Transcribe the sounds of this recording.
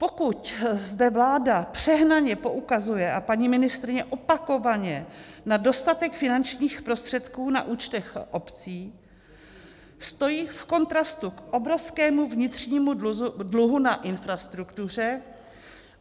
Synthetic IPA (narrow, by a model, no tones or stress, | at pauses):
po̞kuczdɛvlaːdapr̝̥ɛɦnaɲɛpo̞ʔukazujɛʔapaɲimɪnɪst̪ɾɪɲɛʔopako̞vaɲɛnado̞st̪at̪ɛkfɪnant͡ʃɲiːxpɾo̞st̪r̥ɛt̪kuːna̰ʔuːt͡ʃt̪ɛxʔo̞pt͡siː | st̪o̞jiːfko̞nt̪ɾast̪ukʔo̞bɾofskɛːmuvɲɪt̪r̝̥ɲiːmudluɦunaʔɪnfɾast̪ɾukt̪ur̝ɛ